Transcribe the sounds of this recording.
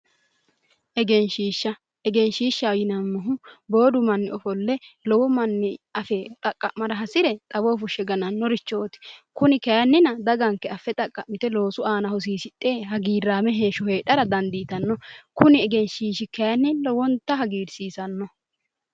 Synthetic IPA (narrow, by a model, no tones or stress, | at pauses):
ʔɛɡɛnʃiːʃːɐ | ʔɛɡɛnʃiːʃːɐjɪnɐmːɔɦʊbo̞ːd̪ʊmɐnːɪɔfɔlːɛlɔwɔmɐnːɪɐfɛt̪ʼɐkʼːɐmɐɾɐɦɐsɪɾɛt̪ʼɐbo̞ːfʊʃːɛɡɐnɐnːɔɾɪt͡ʃːoːt̪ɪ̥kʊnɪkɐjɐnːɪnɐd̪ɐɡɐŋkːɛɐfːɛt̪ʼɐkʼːɐmɪt̪ɛlo̞ːsʊaːnɐhɔs̬iːsɪt̪ʼːe̞ːhɐɡiːɾːaːmɛɦe̞ːʃɔheːᶑɐɾɐd̪ɐnd̪iːt̪ɐnːɔkʊnɪɛɡɛnʃiːʃɪkɛjɐnːɪlɔwɔnt̪ːɐɦɐɡiːɾsiːsɐnːɔ